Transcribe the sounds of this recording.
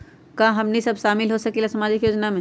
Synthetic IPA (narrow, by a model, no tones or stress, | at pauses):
kaɦɐmnisɐbʃaːmɪlɦosɐkilasɐmaːd͡ʒɪkjoːd͡ʒnamẽː